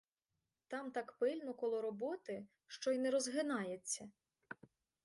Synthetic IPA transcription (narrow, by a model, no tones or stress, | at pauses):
t̪ɑmt̪ɑkpɪlʲnɔkɔlˠɔɾɔbɔt̪ɪ | ʃt͡ʃɔjnɛɾɔzɦɪnɑjet͡sʲːɐ